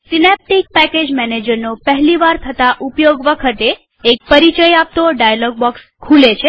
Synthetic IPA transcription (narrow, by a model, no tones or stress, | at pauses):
sinep̚ʈik̚pɛked͡ʒmɛned͡ʒəɾnopəɦliʋaɾt̪ʰət̪aʔupjoɡʋəkʰət̪eː | k̚pəɾit͡ʃəjap̚t̪oɖajalɔɡ̚bɔks | kʰulet͡ʃʰe